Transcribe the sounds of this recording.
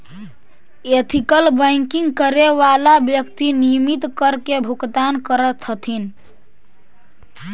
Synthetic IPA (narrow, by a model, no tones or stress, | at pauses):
et̪ʰikəlbəjŋkiŋɡkəɾeʋalabjəkt̪inijəmit̪kəɾkebʱuɡt̪ankəɾət̪ʰət̪ʰin